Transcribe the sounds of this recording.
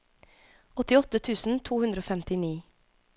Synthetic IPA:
ɔt̪ɪɔt̪ət̪ʰʉːsn̩t̪ʰuːhʉnd̪ɾəoːfɛmt̪ɪniː

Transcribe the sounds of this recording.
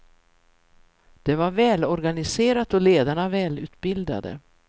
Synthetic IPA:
d̪̥ɛvaɾvɛːlɔɾɡanɪseːɾat̪ɔleːd̪aɳavɛːlʉ̟ːt̪bɪld̪a̰d̪ə̰

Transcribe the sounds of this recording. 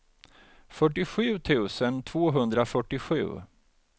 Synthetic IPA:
fœʈːɪɧʉ̟ːt̪ʰʉ̟ːsənt̪ʰvoːɦɵnd̪ɾafœʈːɪɧʉ̟̰ː

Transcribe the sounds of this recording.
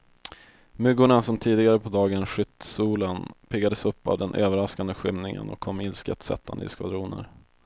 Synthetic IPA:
mɵɡʊɳasɔmt̪ʰiːd̪ɪɡaɾəpʰɔd̪ɑːɡənɧʏt̪suːlənpʰɪɡad̪əsɵpːa̰vd̪ɛnʔø̰ːvəɾaskand̪əɧʏmnɪŋə̰nɔ̰kʰːɔmːɪlskə̰t̪sɛ̰t̪ʰːand̪ə̰ɪ̰skva̰d̪ɾuːnə̰ɾ

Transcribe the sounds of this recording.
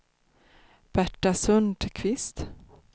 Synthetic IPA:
b̥æʈːasɵnd̪kʰvɪst̪

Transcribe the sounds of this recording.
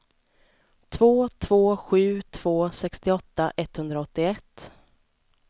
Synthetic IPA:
t̪ʰvoːt̪ʰv̥oːɧʉ̟ːt̪ʰv̥oːsɛkst̪ɪɔt̪ːaʔɛt̪ːhɵnd̪ɾaɔt̪ːɪɛt̪ː

